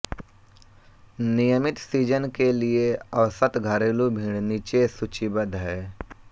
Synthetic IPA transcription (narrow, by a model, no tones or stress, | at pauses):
nijəmɪt̪siːd͡ʒənkelieɐʋsət̪ɡʱəɾeːlubʱĩːɽniːt͡ʃesʊt͡ʃibəd̪ʱɦɛː